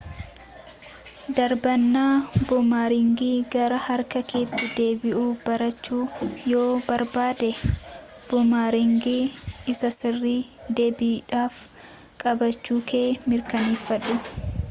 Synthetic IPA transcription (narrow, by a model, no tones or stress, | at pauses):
d̪ɐɾbɐnːaːbʊmaːɾɪŋɡiːɡɐɾɐhɐɾkɐke̞ːt̪ːɪd̪e̞ːbɪʔuːbɐɾɐt͡ʃːuːjo̞ːbɐɾbaːd̪ɛ | b̥ʊmaːɾɪŋɡiːɪsɐsɪrːiː | d̪e̞ːbiːᶑaːf | kʼɐbɐt͡ʃːuːkeːmɪɾkɐniːfːɐᶑʊ